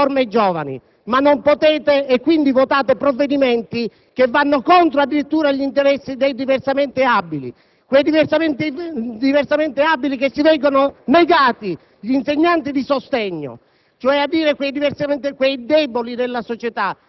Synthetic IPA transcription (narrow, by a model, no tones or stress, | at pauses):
oɾmed͡ʒɔːvanḭ | manːompot̪ɛːt̪eɛkːwind̪ivot̪aːt̪epɾovːed̪imɛnt̪i | k̟evːanːokɔnt̪ɾoad̪ːiɾit̪ːuːɾaʎint̪eɾɛsːid̪ejd̪iversamɛnt̪ɪabːilḭ | kwejd̪iversamɛnt̪id̪iversamɛnt̪ɪabːilikesːivɛːɡononeɡaːt̪i | ʎinseɲːant̪id̪isost̪ɛɲːo̰ | t͡ʃoɛad̪ːiːɾekwejd̪iversamɛnt̪ɪkwejd̪ɛːbolid̪elːasɔt͡ʃɛt̪a